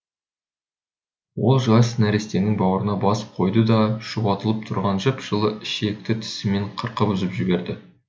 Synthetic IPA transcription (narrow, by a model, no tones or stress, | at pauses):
wo̞lˠʒɑsnæɾest̪e̞nɪŋbɑwəɾənɑbɑsə̥p̚qʰo̞jd̪əd̪ɑʃʊpɑt̪əlˠəp̚t̪ʰʊɾʁɑnʒəpʒ̥əlˠəɪʃe̞k̚t̪ɪt̪ʰɪ̥sɪme̞ɴqʰəɾqəpʏzɪpʒɪbe̞ɾd̪ɪ